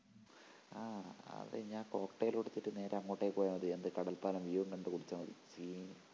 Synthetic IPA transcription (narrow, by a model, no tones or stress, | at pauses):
aːɐ̰ðḛɲaːnko̞ːkʈejloɽit̪ːitːɨne̞ːɾeɐŋːoːʈːejkːuɐjamɐðɨend̪ɨkɐɽɐlpaːlɐmʋijuɐɳːeɳɖ̪ɐkuɽit͡ɕːaːmʋɐðḭsi